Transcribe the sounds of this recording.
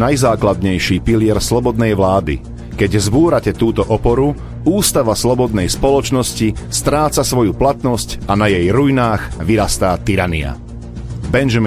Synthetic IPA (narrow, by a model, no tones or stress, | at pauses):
najzaːklad̪ɲɛjʃiːpilɪɛɾslɔbɔd̪nɛjʋlaːd̪ḭ | kɛɟzbuːɾacɛt̪uːt̪ɔʔɔpɔɾu | uːst̪aʋaslɔbɔd̪nɛjspɔlɔt͡ʃnɔscist̪ɾaːt͡sasʋɔjuplat̪nɔscanajɛjɾujnaːɣʋiɾast̪aːt̪iɾanḭa̰ | bɛnʒɔm